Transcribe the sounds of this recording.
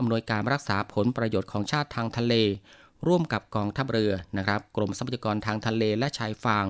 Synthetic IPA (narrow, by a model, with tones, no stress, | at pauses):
ʔa˧mnu˧əjkaː˧nɾa˦˥k̚saː˩˦pʰo˩˦npɾa˧joː˨˩t̪̚kʰɔː˩˦ŋt͡ɕʰaː˥˩t̪ʰːaː˧ŋt̪ʰa˧leː˧ | ɾuː˥˩əmka˨˩p̚kɔː˧ŋt̪ʰa˦˥˩p̚ɾɯ˧ɐna˦˥kʰɾa˦˥p̚kɾo˧msa˧paː˩a˧kɔː˧nt̪ʰaː˧ŋt̪ʰa˧leː˧lɛ˦˥ʔt͡ɕʰaː˧jfaː˧ŋ